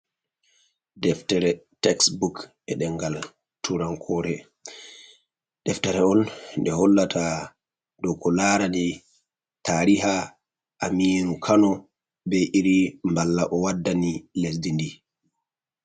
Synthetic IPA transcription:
dɛftɛɾɛtɛksbuk | ɛɗɛŋɡal | tʰuɾaŋkʰɔɾɛ | d̥ɛftɛɾɛɔnndɛɦɔlːatʰa | dɔkɔlaɾandi | tʰaɾiɦa | ʔːmiːnukʰanɔ | bɛʔiɾimbalːaʔɔwadːanilesdindi

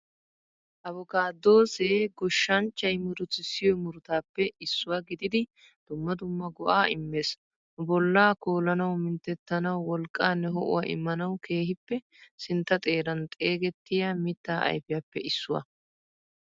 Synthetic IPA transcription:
ʔɐβɔkaːd̪o̞ːseːɡɔʃːɐnt͡ʃːɐjmʊɾʊt͡sɪsɪjɔjmʊɾʊt̪aːpːɛɪsːʊwaːɡɪd̪ɪd̪ɪ | d̪̥ʊmːɐd̪ʊmːɐɡɔʔaːɪmːe̞ːs | bɔlːaːkoːlɐnɐwmɪnt̪ɛt̪ːɐnɐwːɔlkʼːaːnːɛɦɔʔʊ̰wa̰ʔɪ̰mːɐnɐwkʰe̞ːhɪpːɛ | sɪnt̪ːɐt̪ʼe̞ːɾɐnt̪ʼe̞ːɡɛt̪ːɪjamɪt̪ːaːʔɐ̰jfɪjapːɛʔɪsːʊwɐ̰

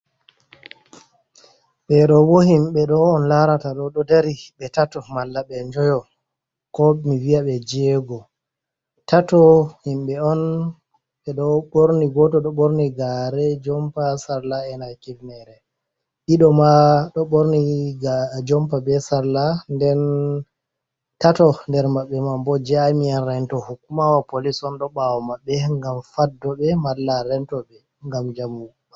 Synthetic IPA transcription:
ɓɛɗɔwohimɓɛɗɔɔnlaɾataɗɔɗɔdaɾiɓɛtatɔmalːaɓɛɲd͡ʒɔjɔ | kɔmiviaɓɛd͡ʒɛːɡɔ | tatɔhimɓɛɔn | ɓɛɗɔɓoɾniɡɔtɔɗɔɓoɾniɡaɾɛd͡ʒɔmpasaɾlaɛnakivnɛɾɛ | ɗiɗɔmaɗɔɓoɾniɡd͡ʒɔmpabɛsaɾlandɛn | tatɔndɛɾmaɓːɛmambɔd͡ʒamianɾɛntɔhukːumawapolisɔnɗɔɓawɔmaɓːɛŋɡamfadːɔɓɛmalːaɾɛntɔɓɛ | ŋɡamd͡ʒamukua

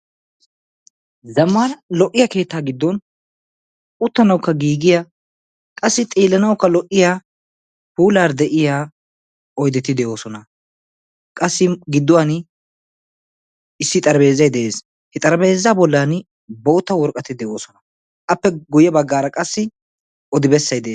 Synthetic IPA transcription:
zɐmːaːɾɐlɔʔːɪjake̞ːt̪ːaːɡɪd̪ːɔn | ʊt̪ːɐnɐwkːɐɡiːɡɪja | kʼɐsːɪt̪ʼiːlːɐnɐwkːɐlɔʔːɪjaː | puːlaːɾd̪ɛʔɪjaː | ʔɔjd̪ɛt̪ːɪd̪ɛʔo̞ːsɔnɐ | kʼɐsːɪɡɪd̪ːʊwan | ɪsːɪt̪ʼɐɾbe̞ːzːɐjd̪ɛʔeːs | hɛt̪ʼɐɾɐbe̞ːzːaːbɔlːan | bo̞ːt̪ːɐwɔɾkʼːɐt̪ɪd̪ɛʔo̞ːsɔnɐ | ʔɐpːɛɡʊjɛbɐɡːaːɾɐkʼɐsːɪ | ʔɔd̪ɪbɛsːɐjd̪ɛʔeː

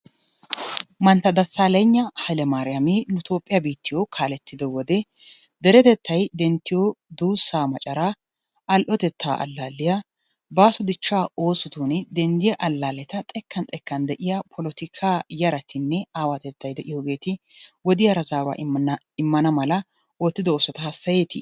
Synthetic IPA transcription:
mɐnt̪ːɐd̪ɐsaːleɲːɐhɐlɛmaːɾɪjɐminʊt̪o̞ːpʼːɪjɐbiːt̪ːɪjokʰaːlɛt̪ːɪd̪ɛwɔd̪ɛ | d̪ɛɾɛt̪ɛt̪ʰːɐjd̪ɛnt̪ːɪjod̪uːsːaːmɐt͡ʃʼɐɾaː | ʔɐlʔɔt̪ɛt̪ːa̰ːʔɐ̰lːaːlːɪja | baːsɔd̪ɪt͡ʃːaːo̞ːsɪt̪uːnɪd̪ɛnd̪ɪjɐʔɐlːaːlɛt̪ɐt̪ʼɛkːɐnt̪ʼɛkːɐnd̪ɛʔɪjɐpʰɔlɔt̪ɪkʰaːjɐɾɐt̪ʰɪnːɛaːwat̪ɛt̪ːɐjd̪ɛʔɪjoːɡe̞ːt̪ɪ | wɔd̪ɪjɐɾɐzaːwa̰ː | ɪmːɐnɐmɐlɐ | oːt̪ːɪd̪ɐosɔt̪ɐhɐsːɐjeːt̪ɪ̰

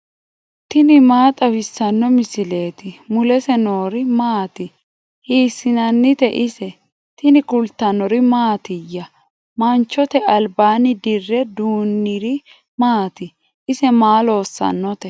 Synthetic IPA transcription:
t̪ɪnɪmaːt̪ʼɐwɪsːɐnːɔmɪsɪle̞ːt̪ɪmʊlɛsɛno̞ːɾɪmaːt̪ɪ | hiːsːɪnɐnːɪt̪ɛʔɪsɛ | t̪ɪnɪkʊlt̪ːɐnɔɾɪmaːt̪ɪjːɐ | mɐnt͡ʃːɔt̪ɛɐlbaːnɪd̪ɪrːɛd̪uːnːɪɾɪ | maːt̪ɪ | ʔɪsɛmaːlo̞ːsːɐ̰nːɔt̪ɛ

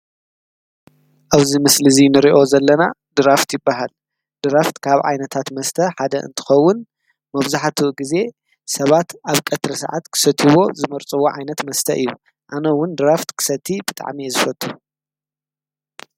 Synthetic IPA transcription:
ʔaβzimɨslɨzinɨɾiʔo̞zɐlːɐnad̪ɨɾaft̪ʰjɪbːaɦal | d̪̥ɨɾaft̪kʰaβʕa̰jnɐt̪ʰat̪mɐst̪ʰɐħad̪ɐʔɨ̰nt̪ʰɨ̥xɐwːʊn | mɐβzaħt̪ʰuʔɡize̞ | sɐβat̪ʔaβkʼɐt̪ɾɐsa̰ʕa̰t̪kʰɨ̥sɐt̪ʰiβo̞zɨmɐɾt͡sʼɨwo̞ʕajnɐt̪mɐst̪ʰɐʔɨjːu | ʔanɐwʊnd̪ɨɾaft̪kʰɨ̥sɐt̪ʰːibɨt̪ʼa̰ʕmijzɨfɐt̪ʼːu

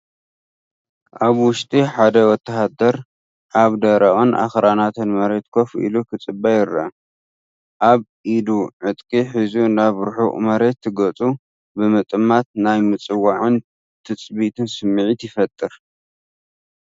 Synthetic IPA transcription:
ʔaβwʊʃt̪ʼiħad̪ɐwɔt̪ʰːɐɦad̪ɐɾ | ʔaβd̪ɐɾaʔonʔa̰xɾanat̪ʰɨnmɐɾe̞t̪̚kʰo̞fḭlukʰɨt͡sʼɨbːajɪɾɐɐ | ʔaβʔid̪uʕɨt̪ʼkʼiħizunaβɾħṵmɐɾe̞t̪ʰːɨɡɐt͡sʼu | bɨmɨt̪ʼɨmat̪̚najmɨt͡sʼɨwaʕɨn | t̪ʰɨt͡sʼβit̪ʰɨnsɨmːɨʕit̪jɪfɐt̪ʼːɨɾ

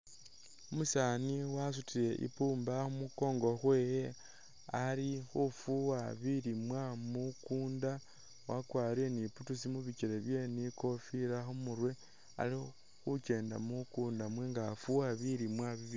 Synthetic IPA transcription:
omusaniwas̬utile̞ʔḭpuːmbaxumuko̞ːŋɡo̞xwe̞ːje | alixufuwaβiɾimwamukuːnda | wakwaːɾeniputusimuβit͡ʃiɾe̞βje̞niko̞fiɾaxomuɾwe̞ | a̰li | xut͡ʃe̞ːnda̰mukuːndamwe̞ŋɡafuwaβiɾimwaβiβi

